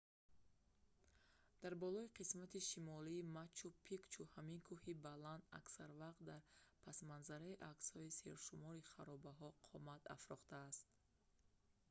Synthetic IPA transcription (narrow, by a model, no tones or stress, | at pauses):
d̪̥aɾbɔlɔiqʰismat̪iʃimɔliːmat͡ʃʰːupʰikt͡ʃʰuhamiŋkʰuhibaland̪a̰ksaɾvaqt̪̚d̪aɾpʰasmanzaɾaiʔakshɔisḛɾʃumɔɾiχaɾɔbaɦɔqʰɔmat̪a̰fɾɔχt̪aːst̪̚